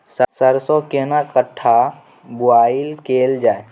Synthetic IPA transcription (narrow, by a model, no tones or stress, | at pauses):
ssəɾsõkenakəʈʰːa | bʊaːilkeːld͡ʒaːe